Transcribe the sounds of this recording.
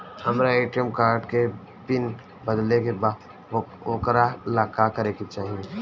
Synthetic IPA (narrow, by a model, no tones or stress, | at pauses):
hɐmɾaeːʈəmkaːɾɖke | pɪn | bəd̪lekebaː | okɾalaːkakɐɾekit͡ʃaːɦie